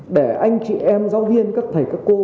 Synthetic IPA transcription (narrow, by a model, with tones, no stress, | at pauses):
ɗe˧˩ʔa˧jŋ̟t͡ɕḭ˧˩ʔɛ˧mzaː˨˦wvi˧ənka˦˥t̚t̪ʰə˨˩jkaː˦˥kːo˧